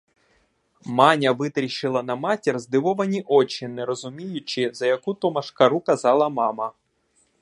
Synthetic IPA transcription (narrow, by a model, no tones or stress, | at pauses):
mɑnʲɐʋɪt̪ɾʲiʃɪlˠɐnɐmɑtʲirzd̪ɪʋɔʋɐnʲiʔɔt͡ʃɪnɛɾɔzʊmʲijʊt͡ʃɪzɐjɐkut̪ɔmɐʃkɐɾukɐzɑlˠɐmɑmɐ